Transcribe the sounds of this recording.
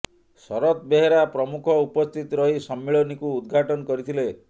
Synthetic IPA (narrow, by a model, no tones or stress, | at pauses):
sɔɾɔt̪beɦeɾapɾɔmukʰɔupɔst̪ʰit̪ɔɾɔɦisɔmːiɭɔnikuːd̪ɡʱaʈɔnɔkɔɾit̪ʰile